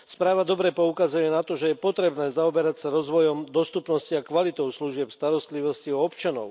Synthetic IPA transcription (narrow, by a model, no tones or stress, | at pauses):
spɾaːʋad̪ɔbɾɛpɔukazujɛnat̪ɔʒɛjɛpɔt̪ɾɛbnɛːzaɔbɛɾacsaɾɔzʋɔjɔmd̪ɔst̪upnɔsciakʋalit̪ɔʊsluʒɪɛpst̪aɾɔst̪liʋɔsciɔɔpt͡ʃanɔ̰ʊ